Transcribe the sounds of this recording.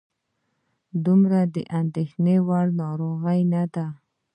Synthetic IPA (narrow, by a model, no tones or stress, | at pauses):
d̪umɾad̪ə̰ʔand̪exnewaɽnɑɾoɣəjnad̪a